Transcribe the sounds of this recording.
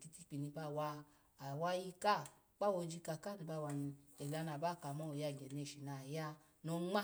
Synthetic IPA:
ki˧ti˦k͡pi˨ni˧ba˧˨wa˧˨ | wa˦ji˦ka˦˨ | k͡pa˦˨wo˧d͡ʒi˧˦ka˧˨ka˦˨ni˧ba˧˨wa˨ni˧e˨la˨˧na˨ba˦˨ka˨mɔ˦o˨ja˧˨ɡɛ˨n˧e˧˨ʃi˨na˨ja˦ | no˧˦ŋ͡ma˦

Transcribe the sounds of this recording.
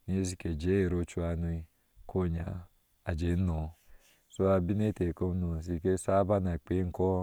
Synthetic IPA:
ni˨˦e˦s̬i˦ke˨d͡ʒe˦e˨ɾo˦t͡ʃu˦a˨nu˧˦i˦ | kʰo˦˨ɲa̰˨ | a˨d͡ʒe˨˦nɔ˨ | so˦a˨bi˦ne˦te˨ko˦nu˨s̬i˦ke˦sa˦ba˦na˨k͡pe˨˦ŋ̩˨˦kɔ˦

